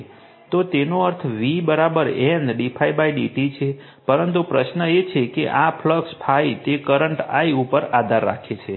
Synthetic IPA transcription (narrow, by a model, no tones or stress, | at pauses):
t̪ot̪enoəɾt̪ʰʋibəɾabəɾenɖipʰajbajɖiʈit͡ʃʰe | pəɾənt̪upɾəʃnəet͡ʃʰekḛʔapʰləkspʰait̪ekəɾəɳʈa̰iupəɾad̪ʱaɾːa̰kʰet͡ʃʰe